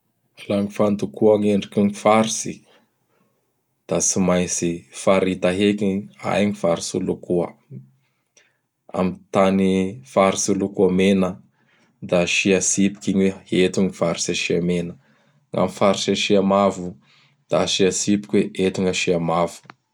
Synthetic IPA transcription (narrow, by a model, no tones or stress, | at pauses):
laŋifant̪ukuaŋeɳɖ͡ʐikuŋifaɾisi | d̪̥at͡simajsifaɾit̪aɦekia̰jŋifaɾisulukuə̰ | a̰mit̪anifaɾisulukuamenə | d̪aʃiasipi̥kiɲweet̪uŋifaɾisaʃiamenə | ŋa̰mifaɾisaʃiamavu | d̪̥aʃiasipi̥kʲweʔet̪uŋəʃiamavu̥